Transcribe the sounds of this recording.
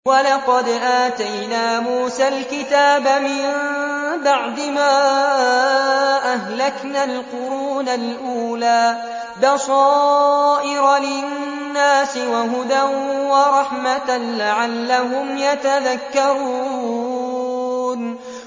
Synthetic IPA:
wɑlɑqɑd̪ʔaːt̪ajnaːmuːsalkɪt̪aːbamɪmnbaʕd̪ɪmaː | ʔahlaknalqʊɾuːnalʔuːlaː | bɑsˤɑːʔɪɾɑlɪnːaːsɪwaɦʊd̪anwɑɾˤɑħmat̪alaʕalːaɦʊmjat̪aðakːɑɾu | n

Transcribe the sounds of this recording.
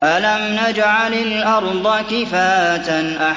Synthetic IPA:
ʔalamnad͡ʒʕalalʔɑɾˤd̪ˤɑkɪfaːat̪anʔa

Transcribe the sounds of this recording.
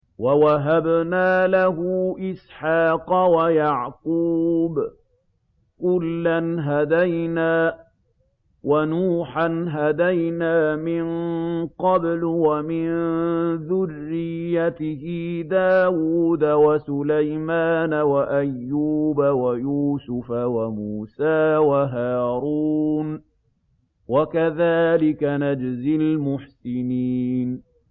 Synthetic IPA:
wawaɦabnaːlaɦʊʔɪsħɑːqɑwajɑʕquːb | kʊlːanɦad̪ajnaː | wanuːħanɦad̪ajnaːmɪnqɑblʊwamɪnðʊrːɪjːat̪ɪhɪd̪aːwuːd̪awasʊlajmaːnawaʔajːuːbawajuːsʊfawamuːsaːwaɦaːɾuːn | wakaðaːlɪkanad͡ʒzɪlmʊħsɪniːn

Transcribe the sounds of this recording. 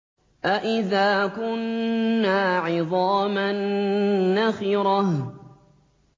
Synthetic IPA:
ʔaʔɪðaːkʊnːaːʕɪðˤɑːmanː | axiːɾɑh

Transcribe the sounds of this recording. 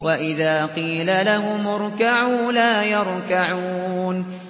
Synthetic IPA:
waʔɪðaːqiːlalahʊmʊɾkaʕuːlaːjɑɾˤkaʕuːn

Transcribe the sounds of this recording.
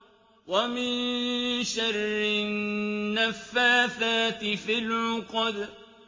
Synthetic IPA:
wamɪnʃarˤːɪnːafːaːθaːt̪ɪfilʕʊqd̪

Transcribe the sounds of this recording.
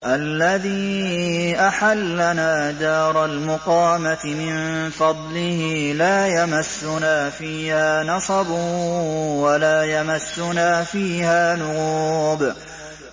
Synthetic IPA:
ʔalːaðiː | ʔaħalːanaːd̪ɑːɾˤɑlmʊqɑːmat̪ɪmɪnfɑd̪ˤlɪhɪlaːjamasːʊnaːfiːhaːnɑsˤɑbʊ | walaːjamasːʊnaːfiːhaːnʊɣuːb

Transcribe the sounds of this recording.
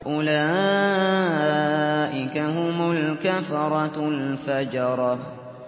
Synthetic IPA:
ʔʊla | ʔɪkaɦʊmalkafɑɾˤɑlfad͡ʒɑɾˤɑ

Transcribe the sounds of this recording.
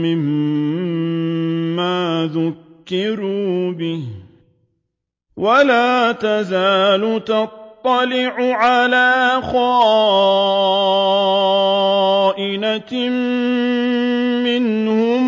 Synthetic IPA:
ɪm | aːðʊkːɪɾuːbɪh | walaːt̪azaːlʊt̪ɑt̪ˤːɑlɪʕʊʕalaːxaː | ʔɪna | mɪn | hʊm

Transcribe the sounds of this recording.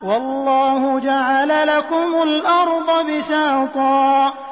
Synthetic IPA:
wɑlˤːɑːhʊd͡ʒaʕalalakʊmʊlʔɑɾˤd̪ˤɑbɪsaːt̪ˤɑː

